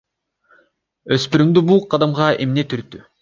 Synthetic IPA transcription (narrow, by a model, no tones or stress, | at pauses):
øspyɾymd̪ybulˠqʰɑd̪ɑmʁɑʔe̞̰mnet̪ʰyɾt̪ːy